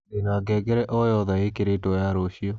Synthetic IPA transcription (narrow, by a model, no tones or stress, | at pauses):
nenaɡɛɡɛɾɛʔɔjɔðaekeɾetojaɾoɕiɔ